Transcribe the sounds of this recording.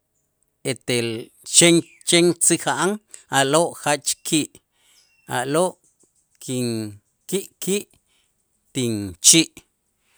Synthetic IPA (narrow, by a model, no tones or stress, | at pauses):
et̪el | t͡ʃeŋ | t͡ʃeŋt͡sixaʔaŋaloʔχat͡ʃkʰiːʔ | a̰ʔloʔ | kʰiŋ | kiʔkiːʔ | t̪int͡ʃiːʔ